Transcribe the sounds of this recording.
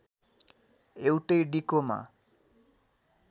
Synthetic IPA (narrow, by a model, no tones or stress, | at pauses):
ewʈejɖikoma̰